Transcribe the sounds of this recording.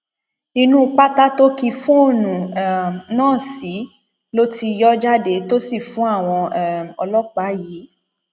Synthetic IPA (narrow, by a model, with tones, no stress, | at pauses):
nĩ˦nũ˦k͡pa˦ta˦to˦ki˧fũ˦o˦˨nũ˨ɛ˨nãː˦˨si˨˦ | lo˦ti˦˧jɔ˦d͡ʒa˦de˦to˦si˦˨fũ˨˦a˦˨w̃ɔ̃˧˦˨ɔ̰˧lɔ˦k͡pa˨˦jiː˨˦